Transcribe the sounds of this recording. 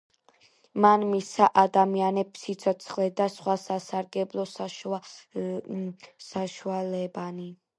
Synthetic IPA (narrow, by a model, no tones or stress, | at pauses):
manmisaʔad̪amianɛpsit̪sʰɔt̪sʰχlɛd̪asχwasasaɾɡɛblˠɔs | saʃualɛbani